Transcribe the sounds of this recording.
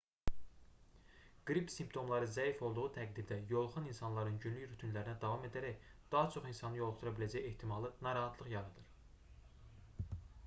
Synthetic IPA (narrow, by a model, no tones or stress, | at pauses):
ɡ̥ɾipsimpt̪ʰo̞mlˠɑɾɯzæifo̞lˠd̪uʁut̪ʰæɡd̪iɾd̪æjo̞lˠχɯninsɑnlˠɑɾɯnɟynlyçɾyt̪ʰynlæɾinæd̪ɑvɑme̞d̪æɾæçd̪̥ɑɦɑt͡ʃʰo̞χinsɑnɯjolˠχd̪uɾɑbilæd͡ʒæje̞ht̪ʰimɑlˠɯnɑɾɑɦɑt̪ʰlˠɯχjɑɾɯd̪ɯɾ